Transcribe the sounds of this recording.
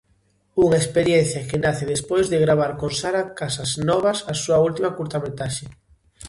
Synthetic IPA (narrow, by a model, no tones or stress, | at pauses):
uŋaespeɾjen̟θjakenaθɪðespojzðeɣɾaβ̞aɾkonsaɾakasɐznɔβasasuault̪imakuɾt̪amet̪aʃe